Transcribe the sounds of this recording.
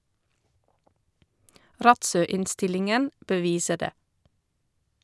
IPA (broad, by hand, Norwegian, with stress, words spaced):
ˈɾɑtˌsœˌɪnˌstɪlɪŋən bəˈʋiːsəɾ ˈdeː